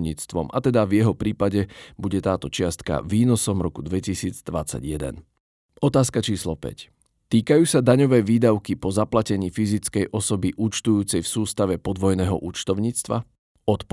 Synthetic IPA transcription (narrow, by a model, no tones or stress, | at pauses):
ɲḭːt͡st̪ʋɔmʔa̰t̪ɛd̪avjɛɦɔpɾiːpaɟɛbuɟɛt̪aːt̪ɔt͡ʃɪast̪ka̰viːnɔsɔmɾɔkud̪ʋɛcisiːd͡zd̪ʋat͡sa̰ɟjɛd̪ɛ̰n | ɔt̪aːskat͡ʃiːslɔpɛ̰c | t̪iːkajuːsad̪aɲɔʋɛːʋiːd̪aʊkipɔzaplacɛɲiːfizit͡skɛjʔɔsɔbiʔuːt͡ʃt̪ujuːt͡sɛjfsuːst̪aʋɛpɔd̪ʋɔjnɛːɦɔ̰ʔuːt͡ʃt̪ɔʊɲiːt͡st̪ʋa̰ | ɔt̪p